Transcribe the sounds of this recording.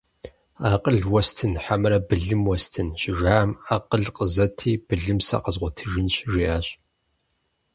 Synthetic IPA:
aːqʼəɮwɐstʰɨnħamɨɾɐbɨɮɨmwɔstʰɨnɕɪʒaːmaːqəɮqəzɐtʰiːb̥ɨɮɨmsɐ̰qəzʁʷɔtʰɨʒɪnɕʒiʔaːɕ

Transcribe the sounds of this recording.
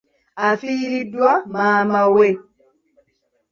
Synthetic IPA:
afijɾiduamaːmawɛ

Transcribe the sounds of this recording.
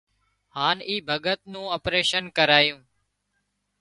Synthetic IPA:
haːniːbʱəɠət̪̚nũːoːpɾeːʃənkəɾaːjũː

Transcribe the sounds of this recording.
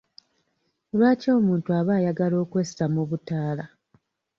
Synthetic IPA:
lwaːco̞ːmuːntuaβaːjaɡalo̞ːkwessamuβutaːla

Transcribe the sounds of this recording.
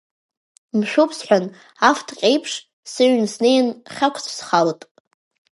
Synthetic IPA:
mʃᶣupʰsħʷᶣan | aftʰqʲʼejpʰʂ | sɨɥnsnejnχʲakʷʰsʰsχaltʼ

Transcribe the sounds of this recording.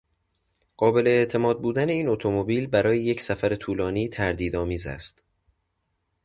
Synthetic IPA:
ɢ̥ɒːbe̞le̞ːʔt̪ʰe̞mɒːd̪̚buːd̪æne̞iːnot̪ʰo̞mo̞biːlbæɾɒːjeje̞csæfæɾe̞t̪ʰuːlɒːniːt̪ʰæɾd̪iːd̪ɒːmiːzæ̰st̪

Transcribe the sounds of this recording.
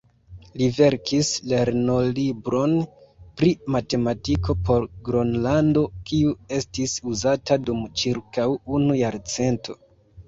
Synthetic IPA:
live̞ɾkʰisle̞ɾno̞libɾʔo̞npɾimate̞matiko̞pʰo̞ɾɡɾonlando̞kiue̞stisuzatadumt͡ʃiɾkawunujaɾt͡se̞ntʰo̞̰

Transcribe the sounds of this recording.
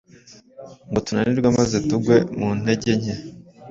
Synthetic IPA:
ŋɡotunaniɾɡwamazetuɡwe̞mun̥he̞ɟe̞ɲe

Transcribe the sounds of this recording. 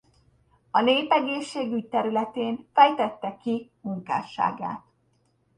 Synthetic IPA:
ɒneːpɛɡeːʃːeːɡyc̚t̪ɛɾylɛt̪eːnfɛjt̪ɛt̪ːɛkimuŋka̰ːʃa̰ːɡa̰ːt̪

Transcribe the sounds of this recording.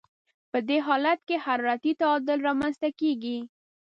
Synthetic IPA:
pəd̪eɦɑlat̪̚kehaɾɑɾat̪it̪aːd̪ɪlɾɑmanzt̪akeɡi

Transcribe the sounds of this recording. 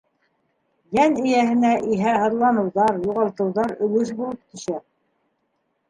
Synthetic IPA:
jænɘ̆jæhɘ̆næʔiɦæhɤ̆ɾlˠɑnɤ̆wðɑɾjuʁɑlˠt̪ɤ̆wðɑɾɵ̆lɵʃbulˠɤp̚t̪ʰɵ̆ʃæ

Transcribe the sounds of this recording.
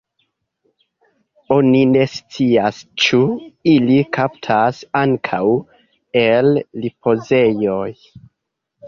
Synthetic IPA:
o̞nine̞st͡siast͡ʃuilikʰaptʰasaŋkʰaw | e̞lːipʰo̞ze̞jo̞j

